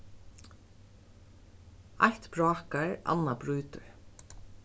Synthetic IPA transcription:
a̰ht̪pɹɔːkaɹa̰nːabɹuːt̪ʊɹ

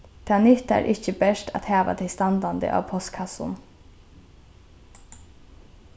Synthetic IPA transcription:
d̪̥ʰɑːnʏt̪æ̰ːɾʔɪçəbɛʃʈʰɑ̰t̪hæːʋɑ̰d̪ʰɪst̪ɑnd̪ɑnd̪ə̰ʔɑ̰ːʋpʰɔst̪kʰɑsʊn

